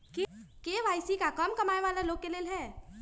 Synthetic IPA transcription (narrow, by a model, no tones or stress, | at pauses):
kekeʋajsikakəmkəmaeʋaleloɡ̚kːelelɦɛː